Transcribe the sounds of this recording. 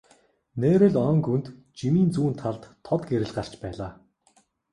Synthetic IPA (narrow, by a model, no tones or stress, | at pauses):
neːɾɘ̆ɮœŋkunt̪ | t͡ɕimiːnt͡suːnt̪ʰːaɮt̪ʰːɔt̪ɡeɾɘ̆ɮɢar̥t͡ɕpæːɮaː